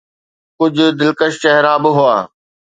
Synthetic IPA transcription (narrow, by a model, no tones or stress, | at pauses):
kʊd͡ʑʱʊ̆d̪ɪlkəʃt͡ɕɛɦɾaːbɪɦʊaː